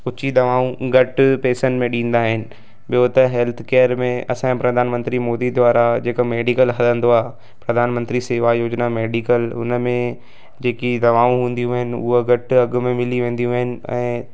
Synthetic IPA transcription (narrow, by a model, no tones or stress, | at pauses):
ʊt͡ɕid̪ɐʋaːũɡɐʈpeːsənɪ̆mẽɗĩːn̆d̪aːɦɪnɪ̆ | ɓɪjot̪ɐɦɛːlt̪ʰkeːəɾmẽɐ̰sãpɾɐd̪ʱaːnmə̃nt̪ɾimoːd̪id̪ʱwaːɾad͡ʑeːkomeːɖikəlɦɐlə̃nd̪oaː | pɾɐd̪ʱaːnmə̃nt̪ɾiseʋaːjoːd͡ʑnameːɖikəlʊ̰nəmẽ | d͡ʑeːkid̪ɐʋaːũɦũːn̆d̪ijũːɦɪnɪ̆ʊ̰ɦoɡɐʈɐɡʊ̆mẽmɪliʋẽːn̆d̪ijũaːɦɪnɪ̆ɛ̰̃ː